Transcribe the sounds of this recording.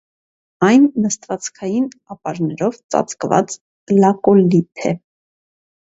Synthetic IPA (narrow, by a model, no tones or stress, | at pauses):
ɑjnːəst̪vɑt͡skʰɑjin | ɑpɑɾnɛɾɔvt͡sɑ̰t͡skvɑ̰t͡s | lɑkɔlipʰɛ̰